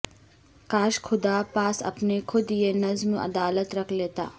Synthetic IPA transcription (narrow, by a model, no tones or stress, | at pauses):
kaːʃkʰʊd̪apaːsɐ̰pnekʰʊd̪jenɐzmʔɐ̰d̪aːlət̪ɾɐkʰleːt̪a̰ː